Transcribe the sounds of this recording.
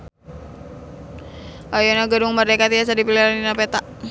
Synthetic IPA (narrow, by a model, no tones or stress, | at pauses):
ajɔnaɡaduŋmərdekat̪ias̬adipiliɾaninapet̪a